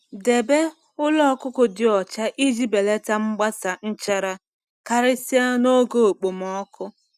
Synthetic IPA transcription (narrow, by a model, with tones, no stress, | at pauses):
de˨be˦ | ʊ˦lɔ˦kʊ˦kʊ˨dɪ˨ɔ˨t͡ʃa˦ʔi˦d͡ʒi˦be˨le˦ta˦ŋ͡m̩˦ɡ͡ba˦sa˨n̩˦t͡ʃa˦ɾa˦ | ka˨ɾe˦si˦a˦no˦ɡo˨o˨k͡po˨m̩˨ɔ˦kʊ˦